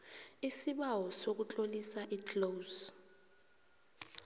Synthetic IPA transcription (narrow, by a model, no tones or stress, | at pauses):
isiɓawɔsok̬ut͡ɬʼolisaʔitlos